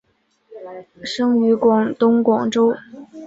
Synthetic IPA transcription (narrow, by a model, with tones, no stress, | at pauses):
ʂɤ˥ŋy˧˥kwɑ˨˩ŋt̪ʊ˥ŋkwɑ˨˩ŋʈ͡ʂo˥ʊ